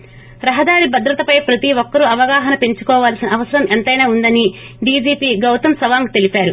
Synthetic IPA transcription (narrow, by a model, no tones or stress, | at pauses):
ɾɐɦɐd̪aːɾibɐd̪ɾɐt̪ɐpɐjpɾɐt̪iʋɔkːɐɾuɐʋɐɡaːɦɐnɐpe̞ɲt͡ʃu̥kɔːʋaːlɐsinɐːʋɐsɐɾɐment̪ɐjnaːund̪ɐniɖiːd͡ʒiːpiːɡɐwt̪ɐmsɐʋaːŋɡt̪e̞lipaːɾu